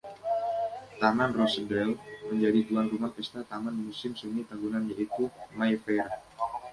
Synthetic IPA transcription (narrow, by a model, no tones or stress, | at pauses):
t̪amanrɔsədɾɛlməɲd͡ʒadit̪uanrumapɛst̪at̪amanmusɪmsumit̪aɡunanjaʔit̪umajfɛɾa